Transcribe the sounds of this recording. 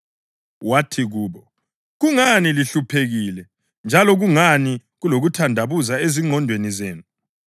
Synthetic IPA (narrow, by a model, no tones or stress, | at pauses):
watʰiɣuːβɔ | ɣuŋaniliɬupʰeɣilɛ | nd͡ʒʱalɔɣuŋaniɣuloɣutʰandʱaβuzaeziŋ͡ǃʱɔndʱwenizeːnu